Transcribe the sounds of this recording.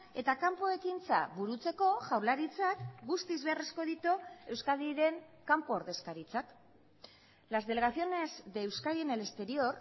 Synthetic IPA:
e̞t̪akampoe̞kint͡sa̰βuɾut͡se̞ko̞ʝawlaɾit͡sakɡust̪izβearesko̞ðit̪ue̞wskaðiɾe̞ŋkampooɾðe̞skaɾit͡sak | lazðe̞le̞ɣaθio̞ne̞zd̪ewskaðienele̞st̪e̞ɾio̞r

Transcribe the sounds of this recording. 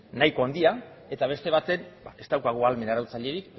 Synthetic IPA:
najko̞and̪ia | e̞t̪aβ̞e̞st̪e̞β̞at̪e̞nbae̞st̪awkaɣ̞oalme̞naɾawt͡saʎe̞ɾik

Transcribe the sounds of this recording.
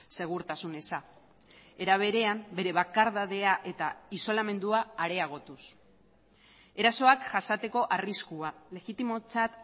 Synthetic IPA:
se̞ɣ̞uɾt̪asune̞sa | e̞ɾaβ̞e̞ɾe̞ambe̞ɾe̞βakaɾðaðe̞aʔe̞t̪aiso̞lame̞nd̪uaːɾe̞aɣ̞o̞t̪us | e̞ɾaso̞akʝasat̪e̞ko̞ʔariskuale̞ɣit̪imo̞t͡sat̪

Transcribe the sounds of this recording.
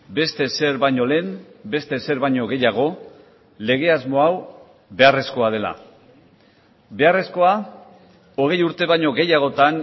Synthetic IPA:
be̞st̪e̞se̞ɾβajɲo̞le̞nbe̞st̪e̞se̞ɾβaɲo̞ɣe̞jaɣ̞o̞ | le̞ɣ̞e̞azmo̞aw | be̞are̞sko̞að̞e̞la̰ | be̞are̞sko̞a | o̞ɣ̞e̞juɾt̪e̞βaɲo̞ɣe̞jaɣ̞o̞t̪an

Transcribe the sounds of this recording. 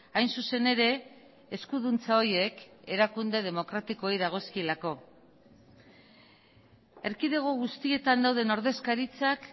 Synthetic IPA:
ajnsuse̞ne̞ɾe̞ | eskuðunt͡sao̞je̞ke̞ɾakund̪e̞ð̞e̞mo̞kɾat̪iko̞ejðaɣ̞o̞skilako̞ | e̞ɾkiðe̞ɣ̞oɣust̪ie̞t̪and̪awðe̞no̞ɾðe̞skaɾit͡sak

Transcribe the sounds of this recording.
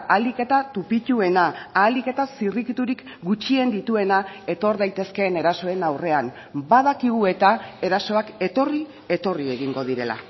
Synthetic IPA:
alike̞t̪at̪upit̪ue̞naːlike̞t̪asirikit̪uɾik | ɡut͡ʃie̞nd̪it̪ue̞nae̞t̪o̞ɾðajt̪e̞ske̞ːne̞ɾaso̞e̞nawre̞am | bað̞akiɣue̞t̪ae̞ɾaso̞ake̞t̪o̞ri | e̞t̪o̞rie̞ɣiŋɡo̞ð̞iɾe̞la̰

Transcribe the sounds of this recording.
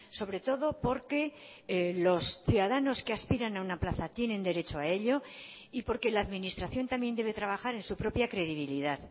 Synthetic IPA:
so̞β̞ɾe̞t̪o̞ðo̞po̞ɾke̞ | lo̞sθjuðaðano̞ske̞aspiɾanaunaplaθat̪je̞nend̪e̞ɾe̞t͡ʃo̞ae̞ʎo̞ | ipo̞ɾke̞laːðminist̪ɾaθjo̞nt̪ambje̞nd̪ee̞t̪ɾaβ̞axaɾe̞nsupɾo̞pjakɾe̞ðiβ̞iliðað

